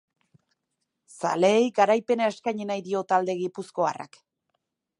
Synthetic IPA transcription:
sa̰leːjkaɾajpe̞nae̞skajɲinajðio̞t̪ald̪e̞ɣipusko̞a̰ra̰k

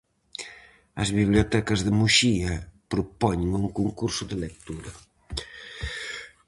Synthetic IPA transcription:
ɐzβiβljot̪ɛkɐzðemuʃiɐpɾupɔɲeŋuŋkuŋkuɾsʊðelek̚t̪uɾɐ

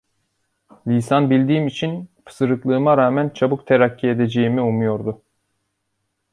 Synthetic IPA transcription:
lʲisanbilʲd̪iːmit͡ʃʰinpʰɯ̥sɯɾɯklˠɯːmaɾaːmænt͡ʃʰabuk̚t̪ʰeɾacʰːie̞d̪e̞d͡ʒe̞jimiumujo̞ɾd̪ʊ

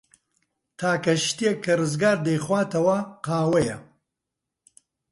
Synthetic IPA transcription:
t̪ʰaːkɐʃt̪ijɛkʰːɐrɨzɡaːɾd̪ejχwaːt̪ʰɐwɐqaːwɐjɐ

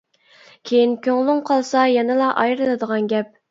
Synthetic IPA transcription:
kʲʰejinkʲʰøŋlˠyŋqʰɑlˠsɑjɛnɨlˠɑʔɑjɾɨlˠɨd̪əʁɑnɡʲɛp̚

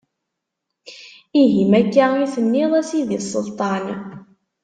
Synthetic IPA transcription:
iɦimækːaiθənːɪðˤæsiðisˤːə̰lt̪ˤɑn

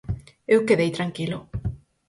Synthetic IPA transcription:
ewkeðejt̪ɾaŋkilʊ

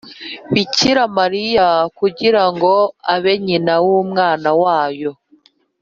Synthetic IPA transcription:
βiciɾamaɾijakuɟiɾaŋɡo̞aβe̞ɲinawumŋaːnawaːjo̞

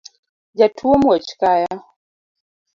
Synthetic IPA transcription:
d͡ʒatʰuɔmɔt͡ʃkaja

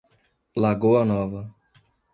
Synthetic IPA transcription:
laɡowanɔvɐ

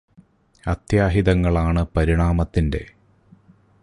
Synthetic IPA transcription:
ɐt̪jaːɦiðɐŋːɐɭaːɳɨpɐɾiɳaːmɐt̪ːinde̞̰

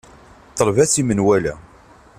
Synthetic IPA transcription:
t̪ˤːəlvæθimənwælæ

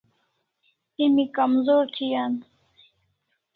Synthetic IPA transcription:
imikɐmzoːɾt̪ʰijan

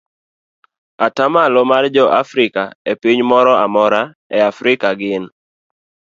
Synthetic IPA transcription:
atamalomard͡ʒɔʔa̰fɾɪkaepiɲmɔɾɔa̰mɔɾa | ɛafɾɪkaɡɪn

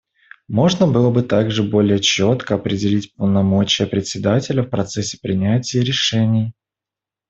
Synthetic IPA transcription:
mo̞ʐnəbɨlˠəbɨt̪aɡʐɨbo̞lʲɪjət͡ɕot̪kəɐpɾʲɪdʲɪlʲitʲpəlˠnɐmo̞t͡ɕɪjəpɾʲɪt̪ʲsʲɪd̪atʲɪlʲəfpɾɐt̪sɛsʲːɪ̥pɾʲɪnʲætʲɪjəɾʲɪʂɛnʲɪj

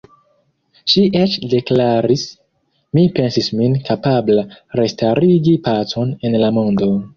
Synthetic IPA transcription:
ʃiʔet͡ʃde̞klaɾis | mipe̞nsisminkapablaɾe̞staɾiɡipaso̞ne̞nlamondo̞

